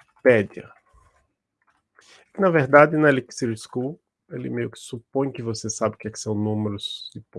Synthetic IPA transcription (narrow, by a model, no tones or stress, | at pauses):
pɛd̪iɐ̰ | kɪnɐveɾd̪ad̪ɪnɐɛliksiɾskul | elɪ̰mejʊkɪ̥supõj̃kɪvosesabɪʊkɛkɪ̥sɐ̃w̃nũmeɾʊz̥d̪ɪpõ